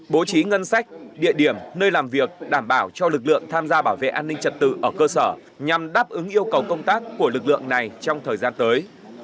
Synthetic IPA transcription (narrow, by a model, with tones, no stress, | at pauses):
ɓo˨˦t͡ɕi˨˦ŋə˧nsa˦˥jk̟̚ɗḭ˧˨əɗi˧˩əmnəː˧jlaː˨˩mvi˨˩ək̚ɗaː˧˩mɓaː˧˩wt͡ɕɔ˧lɨ˨˩k̚lɨ̰˧˨əŋt̪ʰaː˧mzaː˧ɓaː˧˩wvḛ˧˨ʔaː˧nːï˧ŋ̟t͡ɕə˨˩t̚t̪ɨ̰˧˨ʔəː˧˩kəː˧səː˧˩ | ɲa˨˩mɗaː˦˥p̚ʔɨ˨˦ŋʔi˧əwkə˨˩wkə˧wŋ͡mt̪aː˦˥kːu˧˩əlɨ˨˩k̚lɨ̰˧˨əŋna˨˩jt͡ɕɔ˧wŋ͡mt̪ʰəː˨˩jzaː˧nt̪əː˨˦j